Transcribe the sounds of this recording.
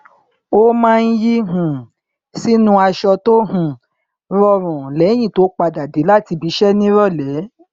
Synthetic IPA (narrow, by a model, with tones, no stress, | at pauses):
o˦mãː˦˧n̩˦ji˦ɦũ˨ | si˦nũ˦a˧ʃɔ˧to˦ɦũ˨ | ɾɔ˧ɾũ˨lɛ˨˦j̃ĩ˦˨to˨˦k͡pa˧da˨de˨˦la˦˨ti˧bi˧˦ʃɛ˦nĩ˦ɾɔ˦˨lɛ˨˦